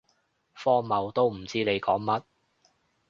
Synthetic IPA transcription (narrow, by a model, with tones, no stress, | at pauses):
fɔː˥mɐ˨˧wt̪o˥wm̩˨˩t͡siː˥ne˨˧jkɔː˨˥ŋmɐ˥t̚